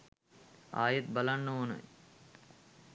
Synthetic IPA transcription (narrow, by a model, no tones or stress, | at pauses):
a̰ːjet̪̚bɐlanːəoːnə̰j